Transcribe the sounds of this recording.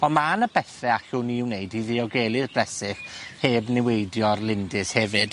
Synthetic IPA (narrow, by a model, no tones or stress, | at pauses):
ɔnmanəb̥ɛθɛaɬuniɪwnejdiðiɔɡeːlˠɪðb̥lɛsɪxheːbnɪwejdjɔrlˠɪndɪshɛvɨd̥